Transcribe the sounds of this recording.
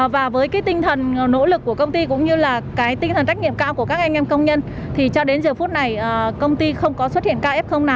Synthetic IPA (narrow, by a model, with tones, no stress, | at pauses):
vaː˨˩vəː˨˦jkaː˨˦jt̪ï˧ŋ̟t̪ʰə˨˩n˩no̰˧˥lɨ˨˩kːu˧˩əkə˧wŋ͡mt̪i˧kʊ̰˧˥ŋ͡mɲɨ˧laː˨˩kaː˨˦jt̪i˧ŋt̪ʰə˨˩nt͡ɕk̟̚ɲḭ˧˨əmkaː˧wku˧˩kaː˦˥k̚ʔa˧ŋ̟ʔɛ˧mkə˧wŋ͡mɲə˧n | t̪ʰi˨˩t͡ɕɔ˧ɗe˨˦nzəː˨˩fu˦˥t̚na˨˩jʔkə˧wŋ͡mt̪i˧xə˧wŋ͡mkɔ˨˦swə˦˥t̚hḭ˧˨ənkaː˧wʔɛ˦˥p̚xə˧wŋ͡mna˨˦w